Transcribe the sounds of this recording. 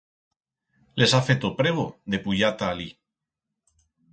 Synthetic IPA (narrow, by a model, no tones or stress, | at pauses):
le̞safet̪opɾeβ̞oðe̞puʎat̪aːli